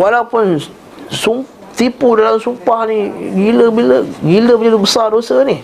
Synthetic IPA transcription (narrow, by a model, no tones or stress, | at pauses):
walawpʊn | sum | t̪ipudalamsumpahniɡiləbiləɡiləməd͡ʒadibəsardosəni